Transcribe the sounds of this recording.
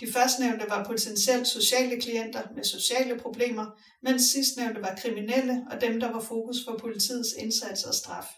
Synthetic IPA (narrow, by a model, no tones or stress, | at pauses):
d̥ifɶɐsd̥neʊnd̥əʋɑ̈pʰo̝t͡sʰensiel̰d̥so̝ɕɛ̰ːləkʰlien̰d̥ɐmeso̝ɕɛ̰ːləpʰʁo̝b̥le̝̰ːmɐ | men̰sːisd̥neʊnd̥əʋɑ̈kʰʁiminel̰əɒ̽d̥emd̥ɑ̈ʋɑ̈fo̝ːkʰuspʰɒ̽pʰo̝lit͡sʰḭːð̩ˠse̝nsæd̥sɒ̽sd̥ʁɑ̈f